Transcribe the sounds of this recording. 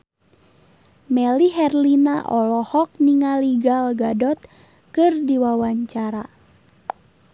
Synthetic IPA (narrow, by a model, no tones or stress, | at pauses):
mɛliɦɛrlinaʔɔlɔhɔk̚niŋaliɡalɡadɔt̪̚ | kɨrdiwawaɲt͡ʃaɾa